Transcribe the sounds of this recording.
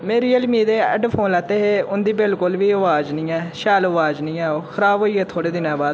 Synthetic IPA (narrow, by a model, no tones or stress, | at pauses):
mẽːɾiːəlmiːd̪eːɛ̰ɖpʰoːnlɛːt̪eːɦeːʊnd̪iːbɪlkʊlʋiːəʋaːd͡ʒnĩːɛːʃɛːləʋaːd͡ʒnĩːɛːoːkʰəɾaːbɦoːiːeːt̪ʰoːɽeːd̪ɪnɛ̃ːbaːd̪